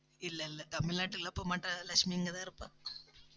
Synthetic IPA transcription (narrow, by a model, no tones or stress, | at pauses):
ɪlːɐɪlːɐt̪ɐmɪlnaːʈːɯɪlːapːoːmaːʈːɐ̃lɐkʂmiɪŋɡɐt̪ãːɪɾɯpːãː